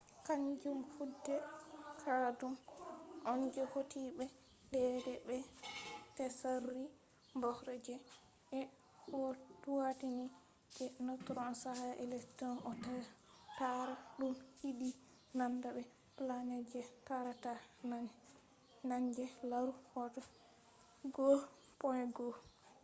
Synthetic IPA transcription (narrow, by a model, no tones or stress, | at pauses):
kaɲd͡ʒumhudːɛkʰadumʔɔnd͡ʒɛhotʰibɛ | dɛdɛbɛ | tɛsarːi | mbɔhɾɛd͡ʒɛ | ɛ | hoduwatini | d͡ʒɛnɔtɾɔnsahaʔɛlɛktɔnɔta | taɾaɗumhidi | nandaɓɛ | plaɲad͡ʒɛtaɾatana | naɲd͡ʒɛlaɾuhɔtɔ | ɡo | pɔjɡɔ